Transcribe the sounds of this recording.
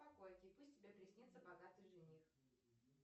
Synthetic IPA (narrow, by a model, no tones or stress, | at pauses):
pɐkojkʲɪpusʲtʲtʲɪbʲepɾʲɪsʲnʲit̪səbɐɡat̪ɨjʐɨnʲix